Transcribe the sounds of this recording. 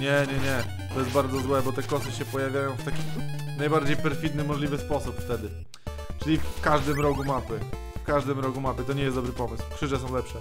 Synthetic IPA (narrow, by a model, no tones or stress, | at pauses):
ɲɛɲɛɲɛ | t̪ɔjɛst̪baɾd̪ɔzwɛbɔt̪ɛkɔsɘɕɛpɔjavʲjajɔ̃w̃ft̪akʲinajbaɾd͡ʑejpɛɾfʲid̪nɘmɔʐlʲivɘspɔsupft̪ɛd̪ɘ | t͡ʂɘlʲifkaʐd̪ɘmɾɔkumapɘ | fkaʐd̪ɘmɾɔkumapɘt̪ɔɲɛjɛst̪ɔbɾɘpɔmɘswkʂɘʐɛsɔ̃w̃lɛpʂɛ